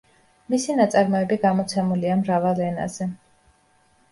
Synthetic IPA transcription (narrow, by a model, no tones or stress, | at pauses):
misinat̪sʼaɾmɔɛbiɡamɔt̪sʰɛmuliamɾavalˠɛna̰z̥ɛ